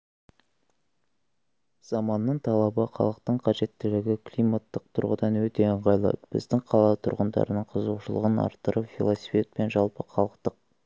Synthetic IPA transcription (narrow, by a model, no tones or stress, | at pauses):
z̥ɑmɑnːəɴt̪ʰɑlˠɑbəqʰɑ̰lˠəq̚t̪əɴqʰɑʒe̞t̪ːɪlɪɡʲɪkʰlijmat̪ːəq̚t̪ʰʊɾʁəd̪ɑnwɵt̪e̞əɴʁɑjlˠɑ̰t̪b̥ɪ̰zd̪ɪŋqʰɑlˠɑt̪ʰʊɾʁənd̪ɑ̰ɾənəɴqʰəzuʃəlˠə̰ʁənɑ̰ɾt̪ːəɾəpfʲilˠosifʲet̪̚pe̞nʒɑlˠpəqʰɑlˠəqt̪əq̚